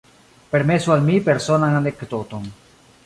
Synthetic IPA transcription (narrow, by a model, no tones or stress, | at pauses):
peɾmesualmipeɾsonaŋand̪ekt̪ot̪oŋ